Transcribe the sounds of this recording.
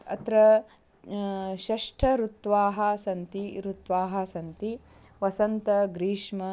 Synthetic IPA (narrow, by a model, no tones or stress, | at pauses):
ɐ̰t̪ɾɐ | ʃɐʂʈʰɐɾut̪ʋaːɦɐsɐnt̪iɾut̪ʋaːɦɐsɐnt̪i | ʋɐsɐnt̪ɐɡɾiːʂmɐ